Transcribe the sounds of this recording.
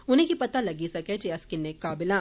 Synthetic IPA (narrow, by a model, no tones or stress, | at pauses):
ʊnɦẽkipɐt̪alɐɡisɐket͡ʃeɐskɪnːekaːbɪlã